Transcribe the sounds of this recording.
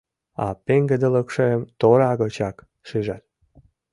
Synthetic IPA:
ɑ̰peŋɡĕd̪elə̆kʃeemt̪oɾɑɣɤt͡ɕɑk | ʃiʒɑt̪̚

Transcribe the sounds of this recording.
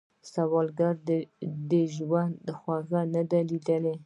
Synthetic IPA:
sawɑlɡaɾd̪d̪əʒwand̪ːəxwaɣanad̪alid̪əle

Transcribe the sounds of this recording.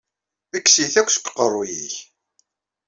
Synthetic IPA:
θəkːsiθækʷːsə̥kʷːqːərˤːʊjḭç

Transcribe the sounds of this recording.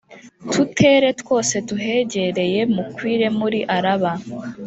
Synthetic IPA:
tʰutʰe̞ːɾe̞two̞ːse̞tuɦe̞ɟe̞ɾe̞je̞mukwiːɾe̞muɾiʔaɾaβa

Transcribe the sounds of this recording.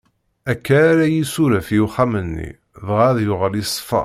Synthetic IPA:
ækːæːɾæjisuɾæfjuχæmənːḭ | ðʁaðjʊʁəlisˤːfɑ̰

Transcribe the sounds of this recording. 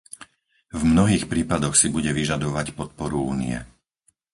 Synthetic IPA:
vmnɔɦiːxpɾiːpad̪ɔxsibuɟɛʋiʒad̪ɔʋacpɔt̪̚pɔɾuuːnḭɛ̰

